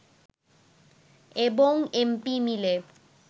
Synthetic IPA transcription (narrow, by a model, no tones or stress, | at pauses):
eboŋempimile